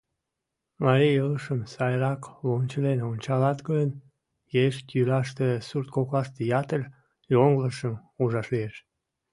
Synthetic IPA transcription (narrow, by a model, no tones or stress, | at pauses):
mɑɾijələʃəmsɑjɾɑklont͡ɕəlenont͡ɕɑlɑt̪ɡən | jeʃt̪jylɑʃt̪esurt̪koklɑʃt̪əjɑt̪əlʲ | joŋɡləʃəmuʒɑʃlieʃ